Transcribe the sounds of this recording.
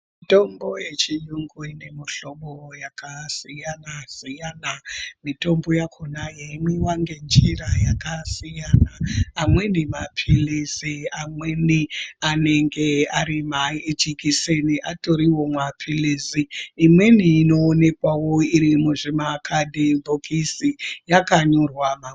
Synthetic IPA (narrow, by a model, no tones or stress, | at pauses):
imto̞mbo̞je̞t͡ʃijuŋɡuine̞muɬo̞ɓojakasijanasijanamito̞mbo̞jakʰonajeimwewaŋɡe̞nd͡ʒirajakasijanaːmwe̞nemapʰilisiamweniane̞ŋɡe̞aɾimat͡ʃikiseniʔato̞ɾiwo̞mwapʰiliːziːmwe̞niːno̞ːne̞kwawo̞iɾimuʐemakʰadʱibʱokʰisijakaɲorwama